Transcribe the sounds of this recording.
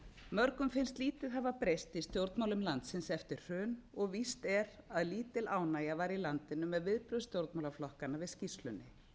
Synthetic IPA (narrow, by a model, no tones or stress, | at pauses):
mœɾkʏmfɪnst̪liːt̪ɪðɦavapɾejst̪ist̪jowɾt̪mawlʏmlant̪sɪnsɛft̪ɪɾ̥r̥œːnɔɣvist̪ɛɾaðliːt̪ɪlaːwnaːjavaɾilant̪ɪnʏmɛðvɪðpɾʏðst̪jowɾt̪mawlaflɔhkanːavɪðscist̪lʏnːɪ